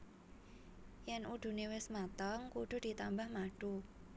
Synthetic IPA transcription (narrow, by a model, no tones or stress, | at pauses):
jɛnuɖ̥ṳnewɪsmat̪ɔŋkuɖ̥ʊ̤d̥i̤t̪ambahmaɖ̥u